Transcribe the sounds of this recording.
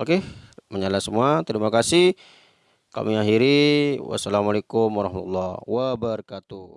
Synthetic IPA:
okeməɲalasəmuat̪ɾimakasɪh | ka̰miaɦiɾiwa̰salamalekʊmwaɾɑhmat̪ulːɑwəbərkat̪u

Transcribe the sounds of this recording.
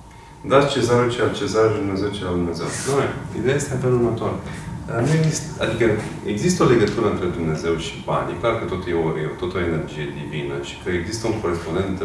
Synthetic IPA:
d̪at͡ʃezaɾut͡ʃeat͡ʃezaʒd̪umnezewt͡ʃead̪umneze̞wnoeḭd̪eaje̞st̪eafelurmət̪oɾ | anueɡzist̪a̰d̪ikə | eɡzist̪əole̞ɡət̪uɾəɨnt̪ɾe̞d̪umne̞ze̞wʃi̥pa̰niklarkət̪ot̪ujeoot̪ot̪əoene̞rd͡ʒije̞d̪ivinəʃi̥kəeɡzist̪əuŋko̞ɾespo̞nd̪enn

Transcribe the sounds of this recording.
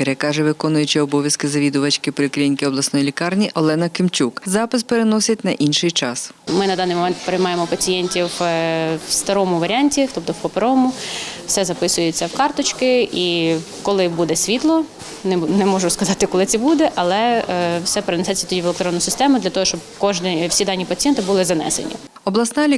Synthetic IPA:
peɾɛkɑʒɛʋɪkɔnʊjʊt͡ʃɪɔbɔʋʲjɐskɪzɐʋʲid̪ʊʋɐt͡ʃkɪpɔlʲɪklʲinʲkɪɔblˠɐsnɔjilʲikɑrnʲiʔɔlˠɛnɐkɪmt͡ʃʲukzɑpɪspeɾenɔsʲɐtʲnɐʔinʃɪjt͡ʃɑsmɪnɐd̪ɑnːɪjmɔmɛnt̪peɾɪjmɑjemɔpɐt͡sʲijɛnʲtʲiw | wst̪ɐɾɔmʊʋɐɾʲɪɑnʲtʲit̪ɔp̚t̪ɔwpɔpeɾɔmʊfsɛzɐpɪsʊjet͡sʲːɐwkɑrt̪ɔt͡ʃkɪi | kɔlˠɪbud̪ɛsʲʋʲit̪lˠɔ | nnɛmɔʒʊskɐzɑt̪ɪkɔlˠɪtt͡s̪ʲɛbud̪ɛʔɐlˠɛwsɛpɾɪnɛsɛt͡sʲːɐ̥t̪ɔdʲiʋelˠekt̪ɾɔnːʊsɪst̪ɛmʊd̪lʲɐt̪ɔɦɔʃt͡ʃɔbkɔʒnwsʲid̪ɑnʲːipɐt͡sʲijɛnt̪ɪbulˠɪzɐnɛ̰sḛnʲḭ | ɔblˠɐsnɑlʲi

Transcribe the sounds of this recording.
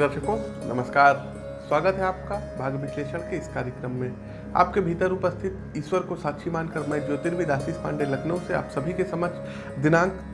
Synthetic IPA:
əɾʃəkonɐməskaːɾ | swaːɡət̪ɦɛaːp̚kabʱaːɡʋɪʃleːʃəɽ̃keɪskaːɾjəkɾəmːẽ | a̰ːp̚kebʱiːt̪əɾʊpəst̪ʰɪt̪ | ɪswəɾkosaːtʃʰimaːnkɐɾmɛ̃d͡ʒoːt̪ɪɾbʱid̪aːsispã̰ːɳɖelɐkʰnəũsea̰ːpsɐbʱikesɐməd͡ʒʰ | d̪ɪnãːŋk

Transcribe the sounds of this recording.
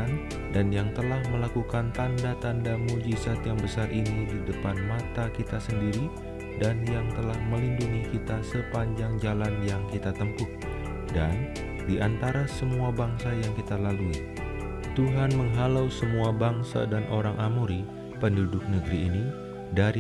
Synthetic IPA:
an | danjaŋt̪əlahməlakukant̪andat̪andamud͡ʒisat̪jaŋbəsarʔinididəpanmat̪akit̪asəndiɾi | danjaŋt̪əlahməlinduŋikit̪asəpaɲd͡ʒaŋd͡ʒalanjaŋkit̪at̪əmpʊt̪̚ | dan | diʔant̪aɾasəmuabaŋsajaŋkit̪alalui | t̪uɦanməŋɦalawsəmuabaŋsa̰danʔoɾaŋʔamuɾi | pəndudʊk̚nəɡəɾiːni | daɾi

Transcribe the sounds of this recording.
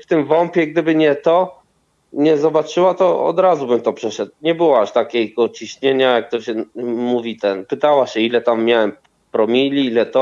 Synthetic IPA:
ft̪ɘmvɔmpʲjɛɡ̚d̪ɘbɘɲɛt̪ɔ | ɲɛzɔbat͡ʂɘwat̪ɔɔ̰d̪ɾazubɘmt̪ɔpʂɛʂɛt̪̚ɲɛbɘwɔaʂt̪akʲɛɡɔt͡ɕiɕɲeɲajak̚t̪ɔɕɛmuvʲit̪ɛnpɘt̪awaɕɛilɛt̪amːjawɛm | pɾɔmʲilʲiilɛt̪ɔ

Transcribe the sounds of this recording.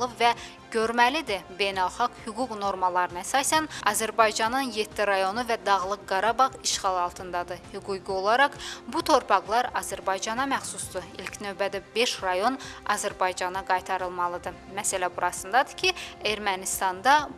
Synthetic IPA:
lˠɯvæ | ɟ̥ø̞ɾmælid̪ibe̞jnælˠχɑɡhyɡuɡno̞ɾmɑlˠɑɾɯnæsɑːsænɑzæɾbɑjd͡ʒɑnɯnje̞t̪ʰːiɾɑjo̞nuvæd̪ɑɣlˠɯkɡɑɾɑbɑʁiʃχɑlˠɑlˠt̪ʰɯnd̪ɑd̪ɯhyɡuɡio̞lˠɑɾɑqbut̪ʰo̞ɾpʰɑɣlˠɑɾɑzæɾbɑjd͡ʒɑnɑmæχsusd̪uilcʰnø̞vbæd̪æbe̞ʃɾɑjo̞nɑ̰zæɾbɑjd͡ʒɑnɑɡɑjt̪ʰɑɾɯlˠmɑlˠɯd̪ɯ | mæsælæbuɾɑsɯnd̪ɑd̪ɯ̥cʰieɾmænist̪ɑnd̪ɑ

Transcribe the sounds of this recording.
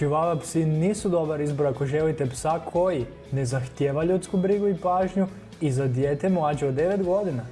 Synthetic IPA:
t͡ʃiʋaʋapsiniːsud̪o̞baɾizbo̞ɾako̞ʒelit̪epsakʰo̞ji | ne̞zaxt̪jeːʋaʎut̪skubɾiɡuipaːʒɲu | izad̪jeːt̪e̞mlˠaːd͡ʒeod̪e̞ʋe̞t̪ɡo̞d̪ina

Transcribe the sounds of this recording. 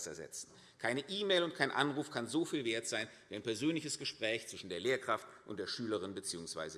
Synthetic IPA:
sɛ̰ɐzɛ̰t͡sn̩ | kʰaɪnəʔiːmeɪlʊntkʰaɪnʔa̰nʁuːfkʰanzoːfiːlveːɐtz̥aɪnviːaɪnpɛɐzøːnlɪçəsɡ̥əʃpʁ̥ɛːçt͡sv̥ɪʃn̩deːɐleːɐkʁ̥aftʔʊntd̥eːɐʃyːləʁɪnbət͡siːʊŋsv̥a̰ɪzə

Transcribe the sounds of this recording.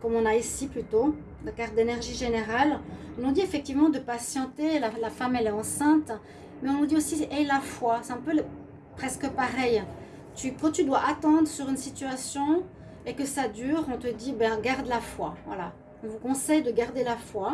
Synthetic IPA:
kɔmɔ̃naisiplyt̪o | d̪akaʁd̪enɛʁʒiʒeneʁalɔ̃nɔ̃d̪iefɛk̚t̪ivmɑ̃d̪əpasjɑ̃t̪elalafamɛlɛɑ̃sɛ̃t̪ | mɛɔ̃d̪iosiʔɛlafwasɛɛ̃pøl | pχɛskəpaʁɛj | t̪ykɑ̃t̪yd̪waʔat̪ɑ̃d̪ʁəsyʁynsit̪yasjɔ̃ | ekəsad̪yːʁɔ̃t̪əd̪ibɛ̃ɡaʁd̪lafwa̰vwa̰la̰ | ɔ̃vukɔ̃sɛjd̪əɡaʁd̪elafwa

